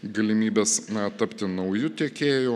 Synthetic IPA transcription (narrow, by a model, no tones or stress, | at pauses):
ɡɐlʲɪmʲiːbʲɛːsnɐt̪ɐpʲt̪ʲɪnɐʊjʊt̪ʲiɛkʲeːjʊː